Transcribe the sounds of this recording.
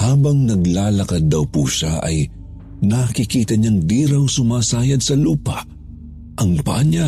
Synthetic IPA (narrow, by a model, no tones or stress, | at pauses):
haːbɐŋnɐɡlaːlɐkɐd̪ːɐwpṵːʃaʔɐ̰j | nakɪkiːt̪ɐɲaŋd̪iːɾɐwsʊmaːsaːjɐd̪sɐluːpɐʔ | ʔɐŋpɐ̰ʔɐɲa